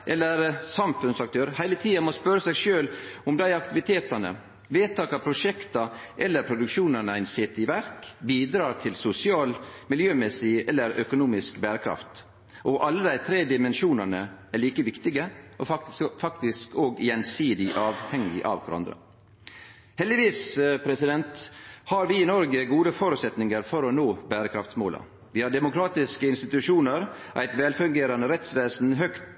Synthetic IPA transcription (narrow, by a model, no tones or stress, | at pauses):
ʔɛlːəɾsɑmfʉnsɑkt̪ʰøːɾhæɪlət̪ʰiːɑmɔspœɾəsɛɡʂøːlʊmd̪æɪɑk̚t̪ɪʋɪt̪ʰeːt̪ɑnə̰ | ʋeːt̪ɑːkɑpʰɾʊʂɛkt̪ɑʔɛlːəɾpʰɾʊd̪ʉkʃuːnɑnəæɪnsɛːt̪ɪʋæɾkbiːd̪ɾɑːʈ̪ʰɪlsʊsɪɑːlmɪljøːmɛsɪɛlːəɾœkʊnuːmɪskbæːɾəkʰɾɑ̰ft̪ | ʔɔʔɑlːəd̪æɪt̪ʰɾeːd̪ɪmɛnʃuːnɑnəæɭiːkəʋɪkt̪ɪɡəʔɔfɑk̚t̪ɪskoːɡjɛnsiːd̪ɪʔɑːʋhɛŋɪ̰ʔɑ̰ʋkʰɾɑ̰nd̪ɾə̰ | hɛld̪ɪʋiːspʰɾɛsɪd̪ɛnt̪hɑːɾʋɪɪnɔɾɡəɡuːd̪əfɔɾʉːt̪sɛt̪nɪŋəɾfɔɾɔnoːbæːɾəkʰɾɑft̪smoːlɑ̰ | ʋɪhɑːɖɛmʊkɾɑːt̪ɪskəɪnst̪ɪt̪ʉʂuːnəɾ | ʔæ̰ɪt̪ʋɛːlfʉŋɡeːɾɑnəɾɛt̪sʋeːsn̩ɦœkt̪